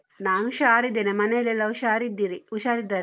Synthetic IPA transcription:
naːŋʃaːɾid̪enemɐnelelɐuʃaːɾid̪iɾiuʃaːɾid̪ɐɾ

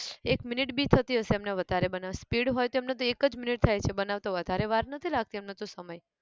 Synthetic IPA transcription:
ekminiʈbit̪ʰət̪iɦəʃeemneʋəd̪ʱaɾebənaʋspiɽɦojt̪oemnet̪oekəd͡ʒminiʈ̚t̪ʰajt͡ʃʰebənaʋt̪oʋəd̪ʱaɾeʋaɾnət̪ʰilaɡ̚t̪iemnot̪osəməj

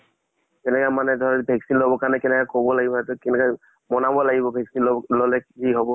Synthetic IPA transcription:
kɛnɛkamanɛdʱɔɹɛbʱɛksinlobɔkaɹnɛkɛnɛkakobɔlaɡibɔnatʊkɛnɛka | mɔnabɔlaɡibɔbʱɛksinlɔlɛkiɦɔbɔ

